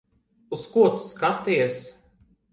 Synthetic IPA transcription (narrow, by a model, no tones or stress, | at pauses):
uskuɔt̪u̥skat̪iɛs